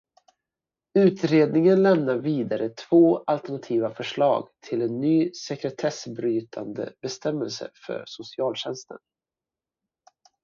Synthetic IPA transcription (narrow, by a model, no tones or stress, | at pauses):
ʉ̟ːt̪ɾeːd̪nɪŋənlɛmnaɾviːd̪aɾət̪ʰv̥oːʔalt̪ɛɳat̪ʰiːvafœʂɭɑ̰ːɡt̪ʰɪlɛnːyːsɛkɾɛt̪ʰɛsbɾyːt̪ʰa̰nd̪ə̰bɛst̪ɛmːɛlsə̰fœ̰ɾsʊsɪɑːlɕɛnst̪ə̰n